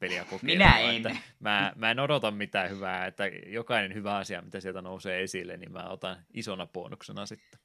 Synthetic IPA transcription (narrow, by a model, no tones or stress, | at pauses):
peliɑkokminæeenæmæːmæenodot̪ɑmmit̪æːhyʋæːet̪ːæjokɑinenhyʋæɑsiɑ̰mit̪æsielt̪ænouseːesilːḛnnimmæ̰ːot̪ɑnisonɑpo̰ːnːuksenɑsit̪ːe̥